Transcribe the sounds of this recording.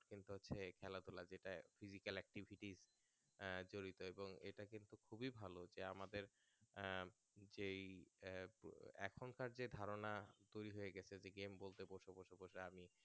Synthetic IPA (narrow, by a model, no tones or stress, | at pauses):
kint̪uɦotːɕʰekʰɛlad̪ulad͡ʑeʈafizikalɛk̚ʈibʱiʈiz | d͡ʑoɾit̪oeboŋḛʈakint̪ukʰubibʱalod͡ʑeamad̪eɾ | d͡ʑe | ɛkʰonkaɾd͡ʑed̪ʱaɾonad̪oɾiɦoeɡɛt͡ɕʰed͡ʑeɡembolt̪eboʃoboʃoboʃeami